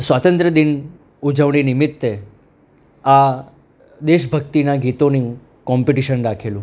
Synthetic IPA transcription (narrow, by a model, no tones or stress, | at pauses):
sʋat̪ə̃nt̪ɾəd̪in | ud͡ʒəʋɳinɪmɪt̪ːe | a | d̪eʃbʱəkt̪inaɡit̪oni | kɔmpiʈiʃənɾakʰelũ